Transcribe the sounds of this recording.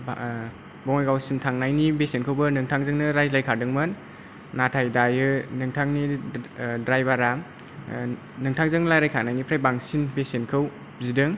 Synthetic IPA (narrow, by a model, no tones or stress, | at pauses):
b | bɔŋjɡawsimtʰaŋnajnibesenkʰɯwbɯnɯŋtʰaŋzɯŋnɯɾajzlajkʰadɯŋmɯnː | atʰajdajɯnɯŋtʰaŋni | dɾajbaɾam | nɯŋtʰaŋzɯŋnlajɾajkʰanajnipʰɾajbaŋsinbesenkʰɯw | zidɯŋ